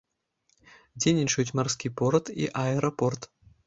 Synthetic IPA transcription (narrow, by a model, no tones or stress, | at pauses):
d͡zʲelʲnʲit͡ʂɐjut͡sʲmarskʲipɔɾt̪ḭʔaɛɾɐpɔrt̪